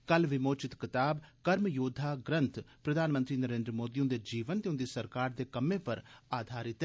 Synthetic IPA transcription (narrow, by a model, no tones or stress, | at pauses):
kəlʋɪmoːt͡ʃɪt̪kɪt̪aːbkəɾmjoːd̪ʱːaːɡɾə̃nt̪pɾəd̪ʱaːnmə̃nt̪ɾiːnəɾẽːnd̪ɾəmoːd̪iũd̪eːd͡ʒiːʋənt̪eʊ̃nd̪iːsəɾkaːɾd̪eːkəmːeːpəɾaːd̪ʱaːɾɪt̪